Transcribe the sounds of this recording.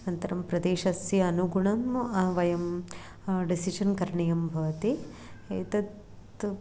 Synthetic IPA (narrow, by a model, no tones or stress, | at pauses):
nɐnt̪ɐɾɐmpɾɐd̪eːʃɐsjɐɐnuɡuɳɐmɐʋɐjɐm | ɖisiʃɐnkɐɾɐɳijɐmbʱɐʋɐt̪i | et̪ɐt̪